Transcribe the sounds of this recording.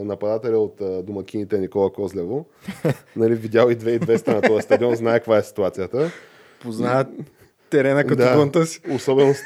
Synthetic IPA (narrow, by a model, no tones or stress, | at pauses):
nɐpɐd̪at̪ɛlʲəot̪ːd̪omɐk̟ʲinit̪ɛnikɔlˠɐkɔzlʲɛvo | nɐlivid̪ʲjalˠid̪vɛid̪vɛst̪ɐnɐt̪ɔjɐst̪ɐd̪iɔnznaɛkɐkvaɛsi̥t̪uat̪sijət̪ə | poznaɛ | t̪ːɛɾɛnəkɐt̪d̪aont̪əsi̥osɔbɛnos